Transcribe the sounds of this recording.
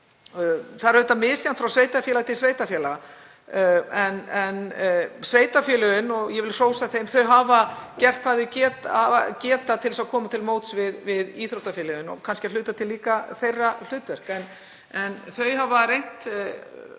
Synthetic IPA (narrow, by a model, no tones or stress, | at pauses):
θaðɾœt̪ːamɪːsjant̪fɾawsveːjt̪afjɛlat̪ʰɪlsveːjt̪afjɛːla | ɛnɛnsveːjt̪afjɛːlʏðʏnɔɣjɛvɪlr̥oːwsaθejmθœɥɦaːvacɛr̥t̪̚kʰaːðɪcɛːt̪aacɛːt̪at̪ʰɪlsaðkʰɔːmat̪ʰɪlmoːwt̪svɪðvɪðiːθɾowt̪afjɛːlʏðʏnɔ̰ɣkʰanscɪal̥ʏːt̪at̪ʰɪlːiːkaθejrːal̥ʏːt̪vɛr̥kɛn | ɛnθœɥɦavaɾejn̥t̪